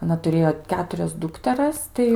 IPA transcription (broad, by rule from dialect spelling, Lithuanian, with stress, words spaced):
ɐˈnɐ tʊˈrʲeːjoː ˈkʲæːtʊrʲɛs ˈdʊktʲɛrɐs ˈtɐɪ